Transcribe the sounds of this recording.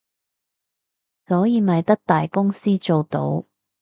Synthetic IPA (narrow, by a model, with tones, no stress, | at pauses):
sɔː˨˥jiː˨˧mɐ˨jt̪ɐ˥k̚t̪aː˨jkʊ˥ŋsiː˥t͡ʃo˨wt̪o̰˨˥w